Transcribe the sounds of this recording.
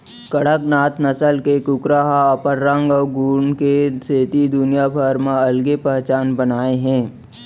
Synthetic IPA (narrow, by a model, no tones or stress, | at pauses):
kəɽəknaːt̪nɐsəlkekʊkɾaɦaːpəɾːãːŋɡɔːɡuːɳkeseːt̪id̪ʊnijabʰʱəɾmaɐlɡepɛɦt͡ʃaːnbənaːeɦɛ̃ː